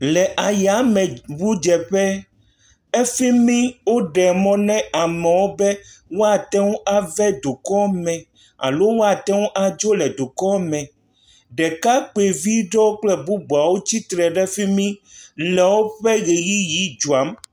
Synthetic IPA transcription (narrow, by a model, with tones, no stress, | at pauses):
lɛ˨ʔa˨ja˨˦mɛ̃˨bu˦d͡ʒɛ˨ɸɛ˦ | ɛ˦fi˦mĩ˦wo˦ɖɛ˨mɔ̃˦nɛ̃˦a˨mɛ̃˨wo˦bɛ˦wo˦a˨t̪ɛ˦ŋũ˦ʔa˦vɛ˦d̪u˨kɔ˦mɛ̃˨ | a̰˨lo˦wo˦a˨t̪ɛ˦ŋũ˦ʔa˨d͡ʒo˦lɛ˨d̪u˨kɔ˦mɛ̃˨ | ɖɛ˨ka˦k͡pe˨vi˦ɖɔ˦wo˦k͡plɛ˦bu˦bu˨a˨wo˦t͡ɕi˦t̪ɾɛ˨ɖɛ˦fi˦mĩ˦lɛ˨wo˦ɸɛ˦ɣe˨ji˦ji˦d͡ʒu˨a˨˦m